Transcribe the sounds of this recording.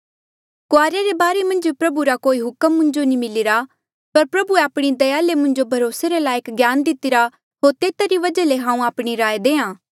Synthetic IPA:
koaːɾjaɾebaːɾemɐ̃nd͡ʒipɾɐbuɾakoːiɦʊkəmːʊ̃nd͡ʒonimɪlɪɾa | pɐɾpɾɐbueaːpɽ̃id̪ɐjaːlemʊ̃nd͡ʒobʱɐɾoːseɾelaːjekɡjaːnd̪ɪt̪ɪɾa | ɦoːɾt̪eːt̪aɾiʋɐd͡ʒaleɦãːũaːpɽ̃iɾaːjed̪ẽːãː

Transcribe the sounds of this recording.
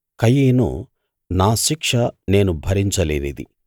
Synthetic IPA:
kɐjiːnṵ | naːʃikʂɐne̞ːnubʱɐɾiɲt͡ʃɐleːnid̪ḭ

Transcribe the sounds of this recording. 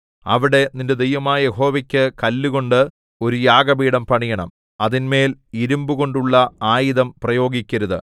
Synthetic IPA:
ɐ̰ʋiɽe̞ninde̞d̪ejʋɐmaːjɐjeɦo̞ːʋɐkʲːɨkɐlːuɣo̞ɳɖɨ | o̞ɾujaːɡɐbiːɽɐmpɐɳijɐɳɐ̰m | ɐðinme̞ːliɾumbuɣo̞ɳɖuɭːɐaːjiðɐmprɐjo̞ːɡikʲːɐɾuðɨ̰

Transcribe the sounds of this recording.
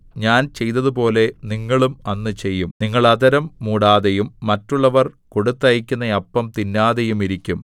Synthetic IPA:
ɲaːnt͡ɕe̞jt̪ɐðupo̞ːle̞niŋːɐɭumɐnːɨt͡ɕe̞jːumniŋːɐɭɐðɐɾɐmːuːɽaːðejumːɐtːuɭːɐʋɐrko̞ɽut̪ːɐjɐkʲːunːɐɐpːɐmt̪inːaːðejumiɾikʲːum

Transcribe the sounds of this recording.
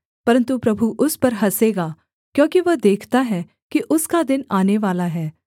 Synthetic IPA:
pɐɾə̃nt̪upɾɐbʱuʔʊspɐɾɦɐseːɡaː | kjõːkiʋɐɦd̪eːkʰt̪aɦɛː | kiʔʊskad̪ɪnaːneʋaːlaɦɛː

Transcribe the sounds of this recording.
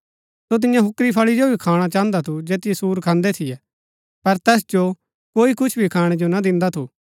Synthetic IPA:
sot̪̬ɪjãɦʊkɾipʰɐɭid͡ʒobʱikʰaːɽ̃at͡ʃaːə̃nd̪at̪ʰud͡ʒeːt̪ɪjɛsuːɾkʰãːnd̪ɛt̪ʰɪjɛː | pɐɾt̪ɛːsd͡ʒo | koːikʊt͡ʃʰbʱikʰaːɽ̃ɛd͡ʒonad̪ɪ̃nd̪at̪ʰu

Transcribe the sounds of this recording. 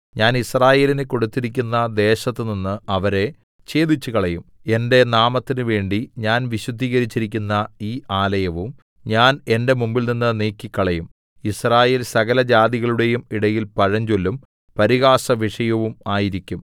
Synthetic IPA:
ɲaːnisraːje̞ːlineko̞ɽut̪ːiɾik̬ʲːunːɐd̪e̞ːɕɐt̪ːɨninːɨɐʋɐɾe̞ | t͡ɕe̞ːd̪it͡ɕːukɐɭɐjum | e̞nde̞naːmɐt̪ːinɨʋe̞ːɳɖiɲaːnʋiɕud̪ʱːiːɣɐɾit͡ɕːiɾikʲːunːɐiːʔaːlɐjɐʋum | ɲaːne̞nde̞mumbilninːɨneːkːikːɐɭɐjum | israːje̞ːlsɐɣɐlɐd͡ʑaːd̪iɣɐɭuɽe̞jumiɽɐjilpɐɻɐɲd͡ʑolːum | pɐɾiɣaːsɐʋiʂɐjɐʋumaːjiɾikʲːum

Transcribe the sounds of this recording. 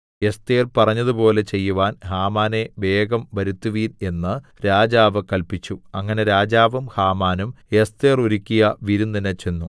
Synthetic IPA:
e̞st̪eːrpɐrɐɲːɐðupo̞ːle̞t͡ɕe̞jːuʋaːnhaːmaːneʋe̞ːɡɐmʋɐɾut̪ːuʋiːne̞nːɨɾaːd͡ʑaːʋɨkɐlpit͡ɕːuɐŋːɐne̞ɾaːd͡ʑaːʋɐmhaːmaːnume̞st̪eːruɾikʲːijɐʋiɾunːinɐt͡ɕe̞nːu

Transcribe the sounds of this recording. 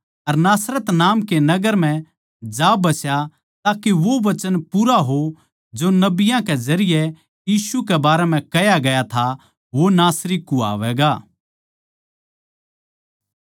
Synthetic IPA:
ɐɾnaːsɾət̪naːmkenɐɡəɾm̤ɛ̃ | d͡ʒaːbɐsja | t̪aːkeʋoʋɐt͡ʃənpuːɾaɦo | d͡ʒonɐbɪjãkɛzɐɾɪjɛ | jiːsukɛbaːɾɛm̤ɛ̃kɐjaɡɐjat̪ʰa | ʋonaːsɾikːua̰ːʋɛːɡaː

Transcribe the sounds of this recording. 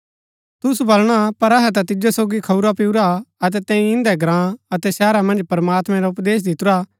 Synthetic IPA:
t̪ʊsubɐlɽ̃apɐɾɐɦɛt̪at̪̬ɪd͡ʒasoːɡikʰɐuɾapiuɾaɐt̪̬ɛt̪ɛ̃ːĩɪ̃nd̪ɛɡɾãːɐt̪ɛsɛːɾamɐ̃nd͡ʒpɾmaːt̪mɛ̃ɾaʊpd̪eːs̬d̪ɪt̪ʊɾa

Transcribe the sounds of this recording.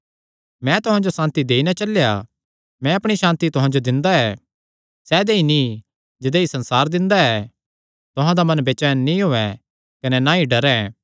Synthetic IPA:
mɛ̃t̪ʊɦãd͡ʒosãːnt̪id̪eːinat͡ʃɐlja | mɛ̃ɐpɽ̃iʃãːnt̪it̪ʊɦãd͡ʒod̪ɪ̃nd̪aɛː | sɛːd̪eini | d͡ʒɪd̪eisɐ̃nsaːɾd̪ɪ̃nd̪aɛ | t̪ʊɦãd̪amɐ̃nbeːt͡ʃɛːnːĩɦoːɛ̃ | kɐnɛnaiɖɐɾɛ̃

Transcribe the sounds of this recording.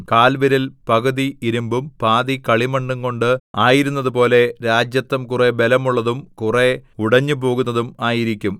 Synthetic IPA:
kaːlʋiɾilpɐɣɐðiiɾumbumpaːðikɐɭimɐɳɖuŋko̞ɳɖɨaːjiɾunːɐðupo̞ːle̞ɾaːd͡ʑjɐt̪ːɐmkure̞be̞lɐmuɭːɐðumkure̞uɽɐɲːɨpo̞ːɣunːɐðumaːjiɾikʲːum

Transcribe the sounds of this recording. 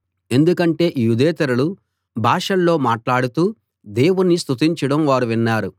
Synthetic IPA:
e̞nd̪ukɐɳʈe̞ːʔijud̪ɛːt̪ɐɾɐlu | bʱaːʂɐlːo̞ːmaːʈlaːɽut̪uː | d̪e̞ːwunːist̪ʰut̪̬iɲt͡ʃɐɽɐmʋaːɾuʋinːaːɾu

